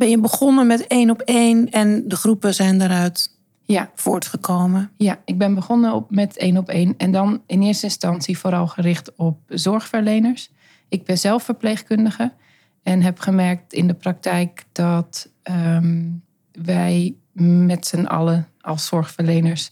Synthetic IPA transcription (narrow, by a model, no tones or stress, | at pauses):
bɛnjəbəχɔnəmɛteːnɔpejnɛndəχrupəzɛjndaɾœɥt | jafʊːɹtχəkʰoːməjaɪɡ̚bɪnbəχɔnəmɛteːnɔpeːnɛndɔnɪnɪːəɹstəɪnstɑnsifoɾɑlˠχərɪxtɔp̚zɔɹxfəɹlejnəɹs | ɪɡ̚bɪnzɛlˠfəɹpleːxkʏndəɣə | ɛnɦɛpχəmɛɹk̚tɪndəprɑk̚tʰɛjkd̥ɔt | ə | ʋɛj | mɛtsənɑ̰ləʔɑlˠsːɔɹxfəɹleːnəɹs